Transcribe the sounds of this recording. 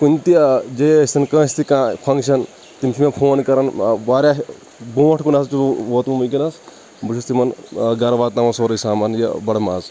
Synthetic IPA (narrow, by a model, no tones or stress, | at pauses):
kunʲt̪id͡ʒest̪inkɐ̃ːst̪ikãːpʰɐŋkʃɐn | t̪imt͡ʃʰimepʰoːnkɐɾɐnʋaːɾjaːɦ | boːɐʈʰkunast͡ʃuʋoːt̪mumɐkinɐs | but͡ʃʰust̪ʰimɐnɡɐɾʋaːt̪namɐsoːɾɐsaːmɐnjɐ̰bɐɽɐmaːz